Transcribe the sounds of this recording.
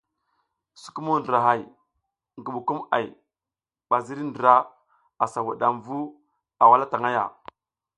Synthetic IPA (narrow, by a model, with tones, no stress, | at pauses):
su̥˨ku˦mu˦ndɾa˨ɦa˦j | ŋɡu˨ɓu˨ku˦ma̰˨j | ɓa˨zi˦ɾi˦ndɾa˦ | a˨sa˨wu˨ɗa˨mvu˦ | a˨wa˦la˦ta˨ŋa˦ja̰˨